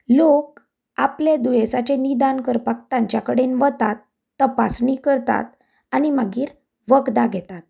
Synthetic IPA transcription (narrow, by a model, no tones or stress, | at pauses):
lok̚ | apled̪ujesat͡ɕenid̪ankəɾpak̚t̪ãɲt͡ɕjakəɽenʋət̪at̪ː | əpasɳikəɾt̪a̰t̪ | aɽ̃imaɡiːɾ | ʋəɡd̪aɡʱɛt̪at̪̚